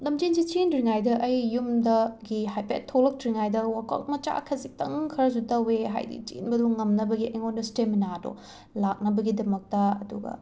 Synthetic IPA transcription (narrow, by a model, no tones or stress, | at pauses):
lɐmd͡ʒinzit͡ʃinɾiŋajdɐʔɐjːumdɐɡiɦajpḛtʰːolɐk̚tɾiŋajdɐwakɐ̰wt̚mɐt͡ʃa̰kʰɐzik̚tɐŋkʰɐɾɐzutɐweɦa̰jdḭt͡ʃḭnbɐduŋɐmnɐbɐɡiʔɐjŋondɐsteminado̰ | lak̚nɐbɐɡidɐmɐk̚tɐɐ̰duɡɐ̰